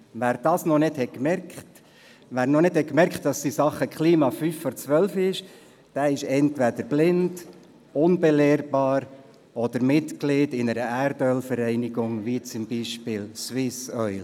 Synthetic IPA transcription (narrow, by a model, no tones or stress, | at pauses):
ʋæːɾd̥ɑːsnɔnɪdhɛkmɛɾkt | ʋæːɾnɔnɪdhɛkmɛɾkχtd̥ɑstisɑχəkχliːmɑfyfːɔɾt͡sʋœlfɪʃ | d̥æɪʃɛntʋæd̥̪əɾb̥lɪnd | ʊnbɛlɛːɾb̥ɑːɾ | ɔd̪̥əɾmɪt̪klɪdɪnəɾəʔæɾdœlfəɾɛɪnɪɡʊŋʋit͡sʊmbiːʃpɪːlsʋɪsœʏl